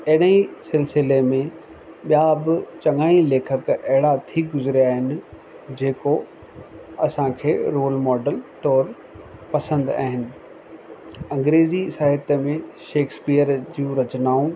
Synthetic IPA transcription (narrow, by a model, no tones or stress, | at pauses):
ɐɦɪɗə̃ĩsɪlsɪlemẽ | ɓijabɪt͡ɕɐŋaːĩleːkʰəkɐɦɪɭat̪ʰiɡʊzɪɾijaːɦɪnɪ̆ | d͡ʑeːko | ɐsãkʰeːɾoːlmɔːɖəlt̪ɔːɾ | pɐsə̃nd̪a̰ːɦɪnɪ̆ | ɐ̃ŋɡɾeːzisaːɦɪt̪mẽʃeːkspijəɾd͡ʑjũːɾɐt͡ɕnaːũ